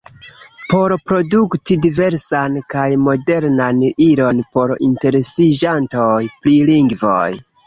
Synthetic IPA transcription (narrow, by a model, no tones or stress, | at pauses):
po̞ɾpɾo̞duktidive̞ɾsankajmo̞de̞ɾnaniɾo̞npo̞ɾḭnte̞ɾe̞sid͡ʒanto̞jpɾiliŋɡvo̰j